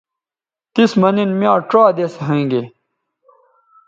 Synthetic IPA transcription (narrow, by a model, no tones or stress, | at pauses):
t̪ismɐninmjãːʈ͡ʂaːd̪eseɦẽːŋɡe